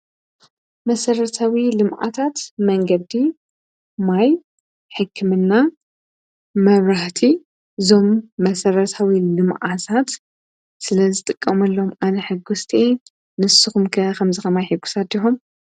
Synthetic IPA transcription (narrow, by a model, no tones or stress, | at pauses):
mɐsɐɾɐt̪ʰawilɨmʔa̰t̪ʰat̪mɐŋɡɐd̪i | maj | ħɨkʰːɨmɨnːa | mɐβɾaht̪ʰi | ɨzo̞mːɐsɐɾɐt̪ʰawilɨmʔat̪ʰat̪ | sɨlɐzɨt̪ʼɨkʼːɐmɐlːo̞mʔanɐħɨɡust̪ʰʼe | nɨsɨxumkʰɐkʰɐmzɨxɐmajħɨɡːu̥sad̪iħum